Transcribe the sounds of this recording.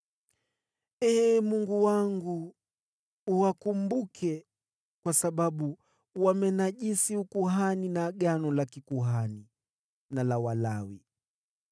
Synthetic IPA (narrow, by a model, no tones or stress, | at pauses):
ɛmuŋɡuwaŋɡu | wakumbukʰɛ | kwasaɓaɓu | wamɛnaʄisiukuɦaninaɠanɔlakikuɦani | nalawalawi